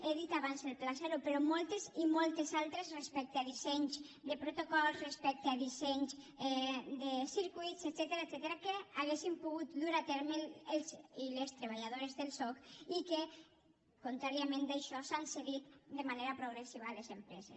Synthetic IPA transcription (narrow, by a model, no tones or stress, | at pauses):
eðit̪aβanzelplasɛɾupeɾɔmɔlˠt̪ezimɔlˠt̪ezalˠt̪ɾezrespɛk̚t̪aðizɛɲzd̪epɾot̪okɔlzrespɛk̚t̪eaðizeɲz | d̪esiɾkuit̪set̪sɛt̪eɾaet̪sɛt̪eɾakeaɣ̞esimpuɣut̪luɾat̪ɛɾmeelzilest̪ɾeβ̞aʎað̞oɾezðelsɔkike | kont̪ɾaɾiamẽnd̪aʃɔsanseɣit̪d̪emaneɾapɾuɣɾesiβaːlezempɾɛzes